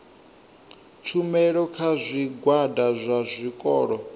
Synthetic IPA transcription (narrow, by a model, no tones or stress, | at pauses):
t͡ʃʰumɛɺɔkʰazʷiɡwadazʷazʷikʼɔːɺɔ